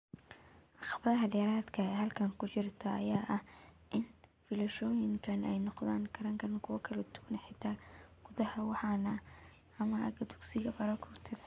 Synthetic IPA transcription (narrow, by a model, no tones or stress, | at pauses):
ʔɑχbɐðɐɦɐdɛɾaːd̪kʰɐɛhɐlkʰɐŋkʰʊt͡ʃɪrt̪ʰɐɐjaːʔɐhʔɪnfɪlɐʃɔːjɪŋkʰɐnɛjnɔqðaːŋɡʰɐɾɐŋkʰɐɾɐnkʰʊwɐkʰɐlɛt̪ʰʊ̥ɡnɛħɪt̪ʰaːɡ̥ʊðɐhɐwɑħɑnɐ | ɐmɐɐɡɐd̪ʊ̥ɡsɪɣɐbɐɾɐkʰʊt̪ʰɪd